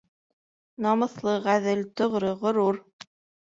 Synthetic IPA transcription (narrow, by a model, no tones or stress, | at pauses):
nɑmɤ̆θlˠɤʁæðɘlt̪ŏʁɾɤʁŏɾuɾ